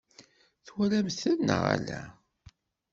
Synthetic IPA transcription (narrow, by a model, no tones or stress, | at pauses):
θwælæmθænːəʁæ̰læ